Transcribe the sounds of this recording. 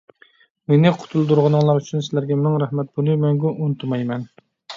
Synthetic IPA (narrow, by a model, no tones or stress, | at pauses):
menɪqʰʊ̥t̪ʰulˠd̪uɾʁənɨŋlˠɑɾyt͡ʃʰynsɪlæɾɡʲɛmɪŋɾæhmɛt̪̚bolˠujmɛŋɡʲuʔunt̪ʰumɑjmɛn